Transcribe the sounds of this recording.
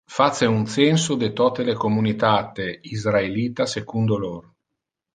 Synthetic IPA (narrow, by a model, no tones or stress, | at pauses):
fat̪seunt̪sɛnsod̪et̪ɔt̪elekomunit̪at̪eizɾaeliːt̪asekund̪oloɾ